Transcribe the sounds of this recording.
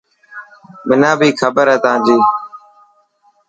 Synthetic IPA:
mɪnãːbʱiːkʰəbəɾɦɛːt̪ãːnd͡ʒiː

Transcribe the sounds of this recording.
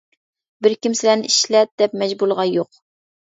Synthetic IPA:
bɪɾkʲimsɪlænɪʔiʃlɛt̪̚d̪̥ɛpmɛd͡ʒbulˠʁɑjoq

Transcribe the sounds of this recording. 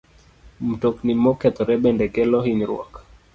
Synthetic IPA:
m̩tɔknimɔkat̪ɔɾɛɓɛndɛkɛlɔhiniɾw̰a̰kḁ

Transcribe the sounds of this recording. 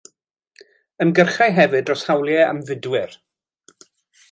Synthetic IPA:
ənɡərχajɦɛvɨdrɔshawlˠjɛa̰mvɪdwɪr

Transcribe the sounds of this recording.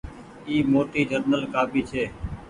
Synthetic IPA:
iːmoːʈiːd͡ʒəɾnəlkaːpiːt͡ʃʰeː

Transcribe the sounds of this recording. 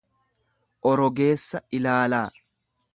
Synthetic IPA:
ʔɔɾɔɡe̞ːsːɐɪlaːlaː

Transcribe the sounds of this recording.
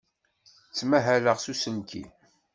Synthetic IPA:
t͡sːmæɦæləʁsusənkʰḭ

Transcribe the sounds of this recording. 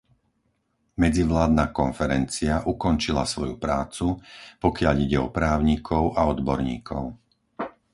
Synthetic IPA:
mɛd͡ziʋlaːd̪nakɔnfɛɾɛnt͡siaʔukɔnt͡ʃila̰sʋɔjupɾaːt͡supɔkɪaʎiɟɛɔpɾaːʊɲikʰɔʊʔaɔd̪bɔɾɲḭːkʰɔ̰ʊ

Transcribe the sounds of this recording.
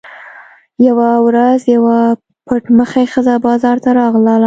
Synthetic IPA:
jawawɾazjawa | pəʈməxajxəzabɑzɑɾt̪aɾɑɣlala

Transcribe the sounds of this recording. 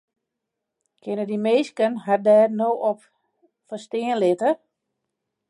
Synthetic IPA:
kʰɪnədimeːskənɦadɛːrnoːʔɔp | fəstɪənlɪtə

